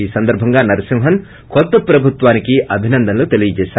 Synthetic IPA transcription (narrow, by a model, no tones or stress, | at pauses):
iːsɐnd̪ɐɾbʱɐŋɡaːnɐɾɐsimɦɐn | kɔt̪ːɐpɾɐbʱut̪ʋaːnikiʔɐbʱinɐnd̪ʱɐnɐloːt̪e̞lijɐd͡ʒɛːʃaː